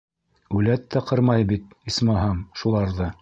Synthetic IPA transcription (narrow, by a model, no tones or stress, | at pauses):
ʉlæt̪ːæqɤɾmɑjbit̪̚ | ismɑɦɑmʃulˠɑɾðɤ